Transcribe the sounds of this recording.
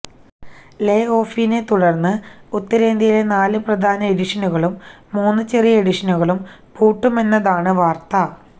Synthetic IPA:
le̞ːo̞ːfinet̪uɽɐrnːɨut̪ːɐɾeːnd̪ʱijile̞naːlɨprɐd̪ʱaːnɐeɾiʂɐnuɣɐɭumː | uːnːɨt͡ɕerijeɽiʂɐnuɣɐɭum | puːʈːume̞nːɐðaːɳɨʋaːrt̪ɐ

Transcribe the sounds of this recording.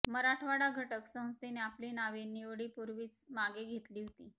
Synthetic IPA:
məɾaʈʰʋaɽaɡʱəʈəksə̃ɦd͡zt̪ineaplinaʋiniʋɽiːpuɾʋiːt͡smaɡeɡʱet̪liːɦot̪iː

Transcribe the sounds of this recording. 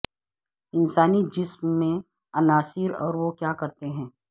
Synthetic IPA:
ɪnsaːnid͡ʒɪsmːẽ | ɐnaːsɪɾɔ̰ːɾʋokjaːkɐɾt̪eɦɛ̃ː

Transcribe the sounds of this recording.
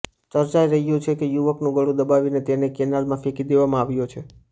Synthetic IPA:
t͡ʃəɾt͡ʃaiɾəɦijũt͡ʃʰekejuʋəknũɡəɽũd̪əbaʋinet̪enekɛnalmãfekid̪eʋamãaʋjõt͡ʃʰe

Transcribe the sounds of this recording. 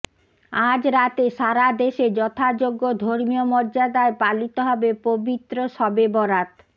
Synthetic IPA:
ad͡ʑɾat̪eʃaɾad̪eʃed͡ʑɔt̪ʰad͡ʑoɡːod̪ʱoɾmiomɔɾd͡ʑad̪aepalit̪oɦɔbepobit̪ːɾoʃɔbebɔɾat̪

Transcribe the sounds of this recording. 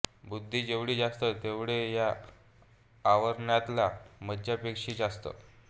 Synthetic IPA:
bud̪ʱːiːd͡ʑeʋɽiːd͡zast̪ət̪eʋɽeja | ʋəɾɳjat̪laməd͡ʑjapekʂiːd͡zast̪ə̰

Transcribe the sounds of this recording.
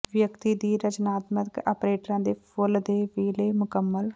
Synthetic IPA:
ʋjəkt̪iːd̪iːɾəd͡ʒnaːt̪məka̰ːpɾeːʈəɾãːd̪eːpʰʊld̪eːʋiːləːmʊkəmːəl

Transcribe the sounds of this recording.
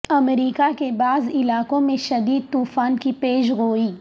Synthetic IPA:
ɐmɾiːkakebaːzɪlaːkõmẽʃɐd̪iːd̪̚t̪uːfaːnkipeːʃɣoːiː

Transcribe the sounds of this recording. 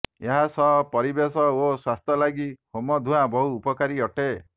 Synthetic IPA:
eɦasɔɦpɔɾibesɔoswast̪ɔlaɡihomɔd̪ʱuɦabɔɦuːpɔkaɾiɔʈe

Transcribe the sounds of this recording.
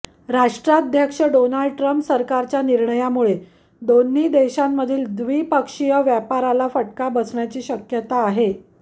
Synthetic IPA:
ɾaʂʈɾad̪ʱjəkʂəɖonaɭɖʈɾəmpsəɾkaɾt͡ɕjaniɾɳəjamuɭe | d̪onːiːd̪eɕamːəd̪ʱiːld̪ʋiːpəkʂijəʋjapaɾalafəʈ̚kabəsɳjat͡ɕiːɕəkjət̪aːɦe

